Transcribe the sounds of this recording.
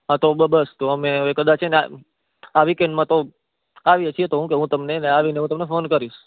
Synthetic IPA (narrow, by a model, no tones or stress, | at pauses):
ɦãt̪obəbəst̪oəmeəʋekəd̪at͡ʃʰenea̰ | aʋikeɳɖmãt̪o | aʋiət͡ʃʰiet̪oɦũkeɦũt̪əmneneaʋineɦũt̪əmnefonkəɾiʃ